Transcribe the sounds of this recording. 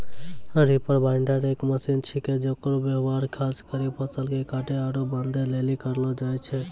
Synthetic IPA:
əɾipəɾbaɪɳɖəɾeːkməsint͡ʃʰiked͡ʒokɾobjəɦʋaɾkʰaskəɾipət͡ʃəlɡekaʈeaɾobənd̪ʱelelikəɾlɔd͡ʒajt͡ʃʰɛ

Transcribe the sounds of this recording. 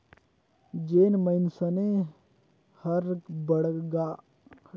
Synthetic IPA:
d͡ʒeːnməɪnsəne | həɾbəɽɡa

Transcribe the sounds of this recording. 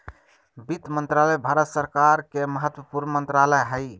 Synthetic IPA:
bit̪mənt̪ɾaləjbʱaɾət̪səɾkaɾkeməɦət̪wəpuɾməmənt̪ɾaləjɦəj

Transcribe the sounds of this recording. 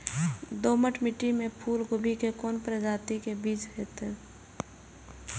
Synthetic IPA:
d̪oːməʈʰmɪʈimẽpʰuːlɡʊbʱikekoːnpɾəd͡ʒaːt̪ikebiːt͡ʃɦɛːt̪ɛː

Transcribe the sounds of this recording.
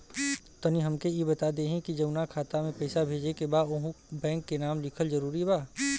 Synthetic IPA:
t̪əniɦɐmkejebɐt̪ad̪eɦɛ̃kid͡ʒɐʊnakʰaːt̪amẽpɛɪsabʱeːd͡ʒekebaːoːɦũbɛ̃ːŋkːenaːmlɪkʰəlzɐɾuːɾibaː

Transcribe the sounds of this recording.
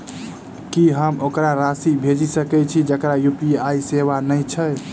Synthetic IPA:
kiɦəmokɾaɾasibʱed͡ʒisəkɛt͡ʃʰid͡ʒəkɾajupiajseβanəjt͡ʃʰəj

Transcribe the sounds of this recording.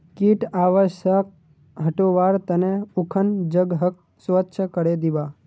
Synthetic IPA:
kiʈaːʋəʃək̚ | ɦəʈoʋaːɾt̪əneʊkʰənd͡ʒəɡɦək̚ | sʋətːʃʰəkəɽed̪ibaː

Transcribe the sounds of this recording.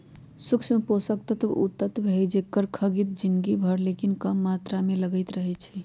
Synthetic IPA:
sukt͡ʃʰmeposək̚t̪ət̪ṵt̪ːət̪beɦɛd͡ʒekəɾkʰəɡit̪̚d͡ʒinɡibʱəɾlekinkəmːat̪ɾameləɡəɪt̪ɾəɦɛt͡ʃʰi

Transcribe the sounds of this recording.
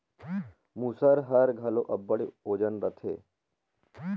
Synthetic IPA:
musəɾɦəɾɡʱɐloʔɐbːəɽioːd͡ʒənɾət̪ʰḛː

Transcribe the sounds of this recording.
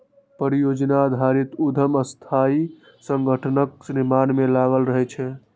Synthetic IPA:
pəɾijod͡ʒnad̪ʱaɾit̪ud̪ʱəməst̪ʰai | səŋɡʱəʈʰənəksinimanmelaɡəlɾəɦɛt͡ʃʰɛ

